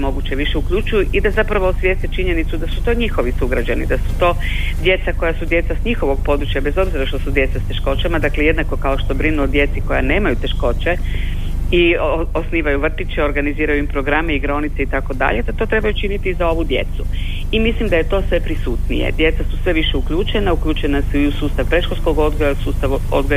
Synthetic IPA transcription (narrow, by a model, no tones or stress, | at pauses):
mo̞ɡut͡ɕe̞ʋiʃe̞ukʎut͡ʃujuʔid̪azapɾaʋoosʋjest̪et͡ʃiɲe̞nit̪sud̪asut̪o̞ɲixo̞ʋisuɡɾad͡ʑanḭd̪asu̥t̪o̞ːd̪je̞t̪sako̞jasud̪je̞t̪sasɲixo̞ʋo̞ɡ̚po̞d̪ɾut͡ɕjabe̞zo̞bziɾaʃt̪osud̪je̞t̪sast̪e̞ʃko̞t͡ɕamad̪akleje̞d̪nako̞kao̞ʃt̪obɾinuod̪je̞t̪siko̞ja̰ne̞ːmajut̪e̞ʃko̞t͡ɕe | iosniːʋajuʋr̩t̪it͡ʃeo̞ɾɡaniziːɾajuimpɾo̞ɡɾameiɡɾo̞nit̪seit̪ako̞d̪a̰ʎed̪at̪o̞t̪ɾe̞bajut͡ʃinit̪izao̞ʋud̪je̞̰t̪su | imislimd̪aje̞t̪o̞ːsʋe̞pɾisuːt̪nḭjḛd̪je̞t̪sasusʋe̞ʋiʃeukʎuːt͡ʃenaukʎuːt͡ʃenasuiusuːst̪aʋpɾeʃxoskoɡod̪ɡoasuːst̪aʋo̰d̪ɡo